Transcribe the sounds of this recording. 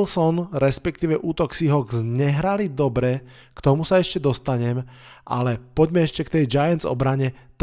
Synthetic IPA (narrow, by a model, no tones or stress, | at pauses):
lsɔnɾɛspɛk̚t̪iːʋɛʔuːt̪ɔksiɦɔɡzɲɛɦɾalid̪ɔbɾɛ | kt̪ɔmusaɛʃcɛd̪ɔst̪aɲɛm | ʔa̰lɛpɔɟmɛɛʃcɛkt̪ɛjd͡ʒajɛnzɔ̰bɾaɲɛt̪